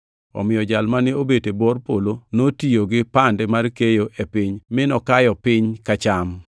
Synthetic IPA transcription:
ɔ̰mɪjɔd͡ʒalmanɪobetebɔrpolonotijoɡɪpandɛmarkejoʔepɪɲmɪnɔkajɔpɪɲkat͡ʃam

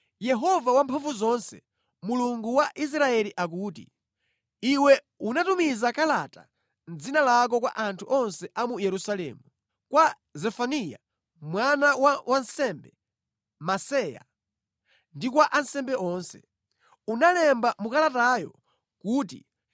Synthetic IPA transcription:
jɛɦɔvawampʰɔɱvuzɔnsɛ | muluŋɡuwaʔis̬ɾaɛliʔak̬uːtḭ | iwɛ | unatumizakalata | n̩d͡zinalak̬ɔkwa̰ʔantʰuʔɔnsɛʔamujɛɾusalɛ̰ːmu | kwa | zɛfanija̰ | mwanawawansɛmbɛ | masɛja̰ | ndik̬waʔansɛmbɛʔɔːnsɛ | unalɛmbamukalatajɔ | kuːt̬i

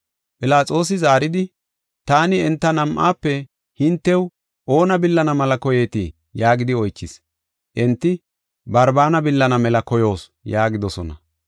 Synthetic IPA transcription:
pʼɪlaːt͡sʼo̞ːs̬ɪzaːɾɪd̪ɪ | t̪aːnɪɛnt̪ːɐnɐmʔaːpːɛ | hɪnt̪ːɛw | ʔo̞ːnɐbɪlːɐnɐmɐlɐkɔje̞ːt̪ḭ | jaːɡɪd̪ɪɔjt͡ʃːɪs | ʔɛnt̪ːɪ | bɐɾbaːnɐbɪlːɐnɐmɛlɐkɔjo̞ːsjaːɡɪd̪ɔsɔnɐ̰

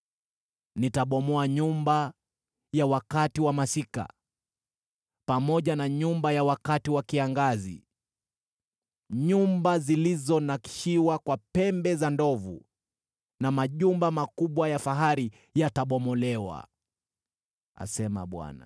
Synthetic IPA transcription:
nitaɓɔmɔaɲumba | jawakatiwamasika̰ | pamɔʄanaɲumbajawakatiwakiaŋɡazḭ | ɲumbazilizɔnaki̥ʃiwakwapɛmbɛzandɔvṵ | namaʄumbamakuɓwajafaɦaɾi | jataɓɔmɔlɛwa̰ | a̰sɛma̰ɓwa̰na̰

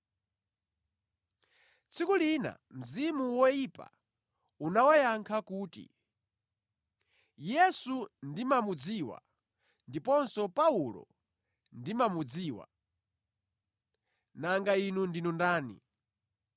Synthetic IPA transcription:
t͡sʰikulina̰m̩zimuwɔjipa̰ | unawajaŋkʰakuːtḭ | jɛsundimamud͡ziwa̰ | ndipɔnsɔpaulɔ̰ | ndimamud͡ziːwa̰ | naŋɡainundinundaːnḭ

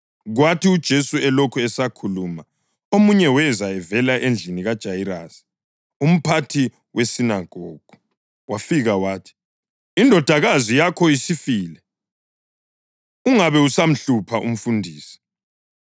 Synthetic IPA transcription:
ɣwatʰiud̥ʒ̥ʱesuɛlokʰuɛsakʰuluːma | omuɲɛwɛzaɛvɛlaʔend͡ɮʱiniɣad̥ʒ̥ʱajiɾaːsi̥ | um̩pʰatʰi | wʔesinaɡ̥ʱɔːɡ̥ʱɔ | wafiɣawaːtʰi̥ | indʱɔd̥ʱaɣazijakʰɔisifiːlɛ | uŋaβɛusam̩ɬupʰaʔṵm̩fundʱiːsi̥

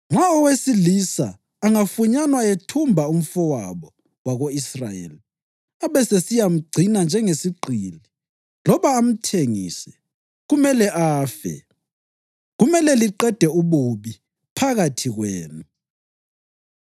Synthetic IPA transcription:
ŋ͡ǁʱwaɔwesilisa̰ː | ŋafuɲanwaetʰumbʱaum̩fɔwa̰βɔ | waɣoisrajḛli | aβɛsesijam̩ɡ͡ǀʱinand͡ʒʱɛŋesiɡ͡ǀʱiːli | lɔβaːm̩tʰeŋḭsɛ | ɣumɛlɛʔaːfɛ̰ | ɣumɛlɛliǃɛd̥ʱɛuβuβi | pʰaɣatʰiɣweːnu

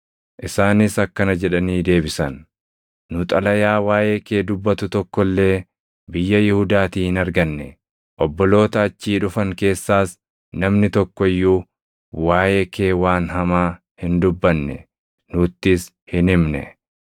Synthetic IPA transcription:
ʔɪsaːnɪsɐkːɐnɐd͡ʒɛᶑɐniːd̪e̞ːbɪsɐnː | ʊt̪ʼɐlɐjaːwaːjeːke̞ːd̪ʊbːɐt̪ʊt̪ɔkːɔlːe̞ː | bɪjːɐjɪhʊd̪aːt̪iːhɪnɐɾɡɐnːɛ̰ | ʔɔbːɔlo̞ːt̪ɐːt͡ʃːiːᶑʊfɐŋke̞ːsːaːs | nɐmnɪt̪ɔkːɔɪjːuː | waːjeːke̞ːwaːnɦɐmaː | hɪnd̪ʊbːɐnːɛ̰ | nʊt̪ːɪs | hɪnɪmnɛ̰

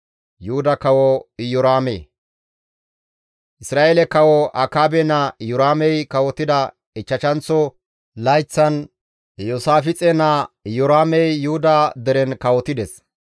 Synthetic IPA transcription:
juhd̪ɐkɐwɔɪjɔɾaːmḛː | ʔɪsɾaːʔelɛkɐwɔʔɐkaːbɛnɐɪjɔɾaːmɛjkɐwɔt̪ːɪd̪ɐ | ɪt͡ʃːɐt͡ʃɐnt͡sːɔ | lɐjt͡sːɐn | josaːfɪt͡sʼɛnɐɪjɔɾaːmɛjːuhʊd̪ɐd̪ɛɾɛnkɐwɔt̪ːɪd̪ɛs

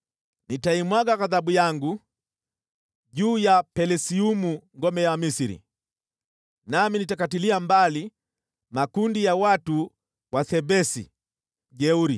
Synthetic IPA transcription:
nitaimwaɡaɣaðabujaŋɡu | ʄuːjapɛlɛsiumuŋɡɔmɛjamisiɾḭ | naminitakatiliambali | makundijawatu | waθɛbɛsḭ | ʄɛuɾi

